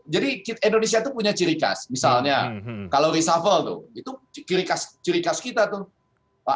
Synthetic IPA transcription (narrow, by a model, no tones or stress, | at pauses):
d͡ʒadikitindonesiat̪upuɲat͡ʃiɾika̰smisalɲakalawɾisafəlt̪ʊ̰hit̪ut͡ʃiɾikast͡ʃiɾikaskit̪at̪ʊh | a̰